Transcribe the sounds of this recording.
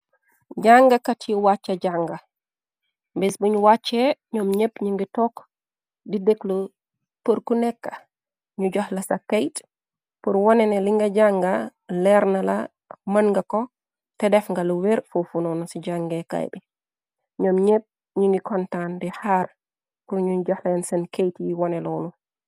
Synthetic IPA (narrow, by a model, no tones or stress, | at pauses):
ɟaŋɡɐkatʰiwat͡ʃːɐɟaŋɡa | mbɛsbuɲwat͡ʃːɛɲɔːmɲepɲiŋɡitɔk | dideklu | pəɾkunɛkːḁ | ɲuɟɔhlɐsakejt | puɾwɔnɛnɛliŋɡɐɟaŋɡalɛɾnɐla̰ | mɐnŋɡɐko | tɛdɛfŋɡaluweɾfofunɔnusiɟaŋɡeka̰jbi | ɲɔmɲep̚ | ɲiŋɡikɔntandihaːɾ | kuɲuɲɟɐhlɐnsɐnkejtjiwɔnɛlonu